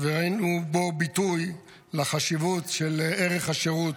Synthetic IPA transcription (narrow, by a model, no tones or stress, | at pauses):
vehainubobit̪uj | laχaʃivutʃeleʁeχaʃeʁut